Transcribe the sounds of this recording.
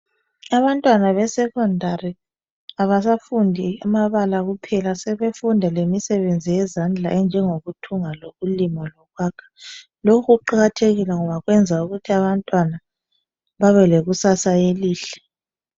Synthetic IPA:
aβantʼwanaβɛsɛkʰɔndʱari | aβasafundʱiamaβalaɣupʰɛlasɛβefundʱalemisɛβend͡zʱijɛzand͡ɮʱaʔɛnd͡ʒʱɛŋoɣutʰuŋaloɣulimalɔɣwaːkʰḁ | lokʰuɣuǃaɣatʰeɣilɛŋɔβaɣwɛnd͡zʱauɣutʰiaβantʼwana | βaβɛleɣusasaeliːɬɛ̥

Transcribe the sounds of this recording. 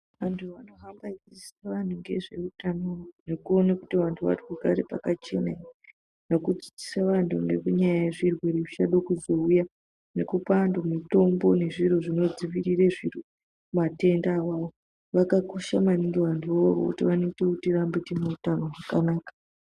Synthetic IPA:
ʋantʰuʋano̞ɦambaid͡ziseʋan̤uŋɡe̞ʐe̞utanonekuo̞nakutiʋantʰuʋa̰rikuɡʱaɾepa̰kat͡ʃe̞̰na | nokud͡zi̥d͡zi̥saʋantʰunḛkuɲajajeʐirwe̞ɾikut͡ʃaɗokuzo̞uja | nekupandomito̞mbo̞ne̞ʐiɾoʐino̞d͡ziʋiɾireʐiru | mate̞ndawaʋo | ʋakakuʃamaniŋɡiʋantʰuoro̰kṵtiʋano̞itekutirambitineutano̞ɦakanaːkḁ

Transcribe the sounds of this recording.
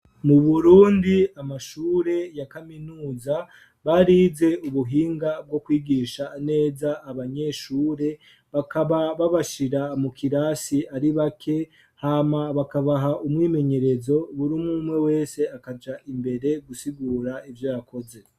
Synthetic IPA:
muβuɾuːndiamaʃuːɾe̞jakaminuːza | βaɾiːze̞uβuɦiːŋɡab̚ɡo̞kwiːɡiːʃaːne̞ːzaʔːβaɲe̞ʃuːɾe̞ | βakaβaβaβaʃiɾamukʰiɾaːsiaɾiβakʰe̞ | haːmaβakaβaɦaʔumwiːme̞ɲe̞ɾe̞zo̞βuɾimumwe̞we̞ːse̞akad͡ʒaʔimbe̞ɾe̞ɡusiɡuːɾaivjojako̞ze̞

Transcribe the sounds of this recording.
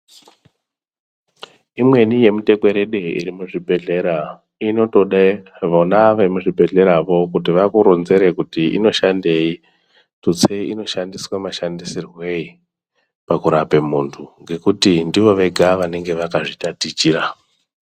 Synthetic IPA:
imwe̞nije̞mute̞kwe̞ɾeɗe̞ḭɾimuʐibʱe̞ɮe̞ɾa | ino̞to̞ɗaʋonaʋemuʐibʱe̞ɮe̞ɾaʋo̞kut̬iʋakuɾonze̞ɾekutiʔḭno̞ʃande̞i | tut͡seino̞ʃandiswamaʃandisirwe̞i | pakuɾape̞muntʰuŋɡe̞kutindiʋo̞ʋe̞ɡʱaʋane̞ŋɡe̞ʋakaʐitatit͡ʃira

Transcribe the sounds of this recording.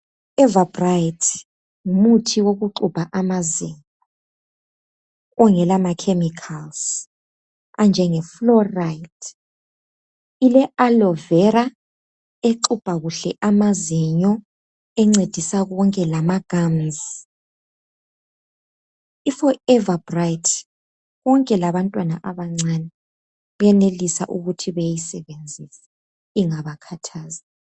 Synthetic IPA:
ɛvabrajtʰ | ŋumutʰiwoɣuǃub̥ʱaʔamaziɲ | ɔ | ɔŋɛlamakʰemikʰals | and͡ʒʱɛŋɛflɔrajtʰ | ilɛʔalɔvɛɾa | eǃub̥ʱaɣuɬɛʔamazɛɲɔ | ɛŋ͡ǀed̥ʱisaɣɔŋkʼɛlamaɡ̥ʱamz | ifɔɛvabrajtʰ | ɣɔŋkʼɛlaβantʼwanaʔaβaŋ͡ǀanɛ | ɛnelisa̰ʔuɣutʰiβɛjjisɛβend͡zʱisɛ | iŋaβakʰatʰaːza

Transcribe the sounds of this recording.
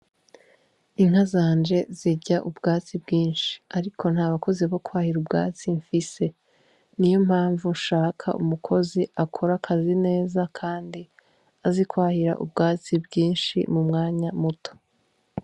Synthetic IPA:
iŋ̥azaːnd͡ʒe̞ziɟaʔubɡaːt͡sibɡiːnʃi̥aɾikʰo̞nhaːβako̞ziβo̞kwaːhiɾubɡa̰ːt͡siɱfise̞ | nijo̞mhaːɱvunʃaːkʰa̰ʔṵmukʰo̞ziʔakʰo̞ɾakʰazine̞ːzakʰaːndi | azikwaːhiɾa̰ʔṵbɡaːt͡sibɡiːnʃḭmumŋaːɲamuto̥

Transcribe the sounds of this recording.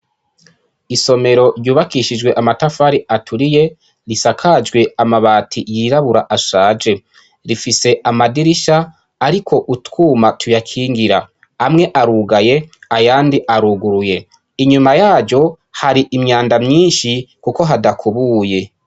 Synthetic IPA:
iso̞me̞ɾo̞ɾjuːβakiʃid͡ʒɡwe̞ʔamatafaːɾiʔatʰuɾije̞ | ɾisakʰad͡ʒɡwe̞amaβaːtʰijiɾaβuɾaʔaʃaːd͡ʒe̞ | ɾifise̞ʔamadiɾiʃaː | ɾikʰo̞ʔutwuːmatʰujakʰiːŋɡiɾa | amŋe̞ʔaɾuɡaje̞ajaːndiʔaɾuɡuɾuje̞ | iɲumajaːd͡ʒo̞ | haɾiʔimɲaːndamɲiːnʃikuko̞ɦadakʰuβuːje̞

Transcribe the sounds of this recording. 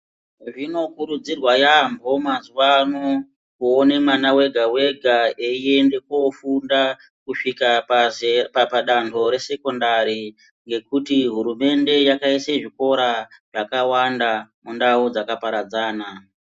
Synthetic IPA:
ʐino̞kuɾud͡zirwajambo̞mazuʋano | kuone̞manawe̞ɡʱawe̞ɡʱaeiendekofunda | kuʂika | papaɗantʰo̞ɾe̞se̞ko̞ndaɾi | ŋɡe̞kutiɦuɾume̞nde̞jakaiseʐiko̞ɾaʐ̥akawandamundaud͡zakapaɾad͡zaːna

